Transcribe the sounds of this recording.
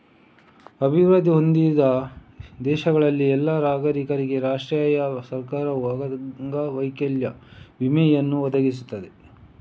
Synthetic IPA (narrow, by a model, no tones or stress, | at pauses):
ɐbʱiʋɾɐd̪ʱiɦo̞nd̪id̪ɐd̪ɛːʃɐɡɐɭɐlːiɛlːaɾaːɡɐɾikɐɾiɡe̞ɾaːʂʈɾjaːjɐsɐɾkaːɾɐɐɡɐŋɡɐʋɐjkɐljɐʋimɛjɐnːuʋɔd̪ɐɡisut̪ːɐd̪e̞